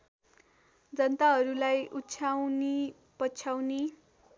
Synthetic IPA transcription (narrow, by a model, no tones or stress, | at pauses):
d͡zʌnt̪aɦʌɾulajʔutːt͡sʰawni | pʌt͡sʰawne